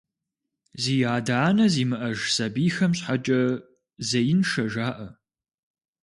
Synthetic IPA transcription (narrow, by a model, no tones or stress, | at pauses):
ziːjaːdaːnɐziːmɨʔɐʒsɐbiːxɐmɕħat͡ʃʼɐ | zɐjɪnʃɐʒaːʔɐ